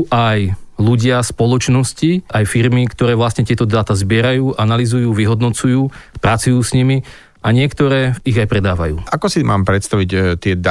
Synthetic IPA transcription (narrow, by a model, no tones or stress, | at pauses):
ʔajluɟɪaspɔlɔt͡ʃnɔsciajfiɾmikt̪ɔɾɛːʋlast̪ɲɛt̪ɪɛt̪ɔd̪aːt̪azbɪɛɾajuːʔanalizujuːʋiɦɔd̪nɔt͡sujuːpɾat͡sujuːsɲimi | aɲɪɛkt̪ɔɾɛːiɣajpɾɛd̪aːʋajṵːʔakɔsima̰ːmpɾɛt̪st̪aʋict̪ɪɛd̪